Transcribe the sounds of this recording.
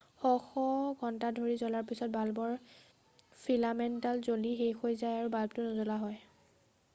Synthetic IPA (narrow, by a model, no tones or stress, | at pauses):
xɔxɔɡʱɔntadʱoɹizɔlaɹpisɔt̚balbɔɹ | pʰilamɛntalzolixejxojzajaɹubalb̚tʊnɔzɔlaɦɔj